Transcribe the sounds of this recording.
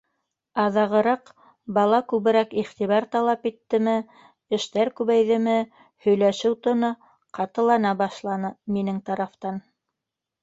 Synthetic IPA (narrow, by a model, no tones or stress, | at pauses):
ɑðɑʁɤ̆ɾɑq | bɑlˠɑkʉβɘ̆ɾækiχt̪iβɑɾt̪ɑlˠɑpit̪ːɘ̆mɘ | ɘ̆ʃt̪æɾkʉβæjðɘ̆mɘ | hɵ̆jlæʃɘwt̪ŏnɤ | qɑt̪ɤ̆lˠɑnɑbɑʃlˠɑnɤminɘŋt̪ɑɾɑft̪ɑn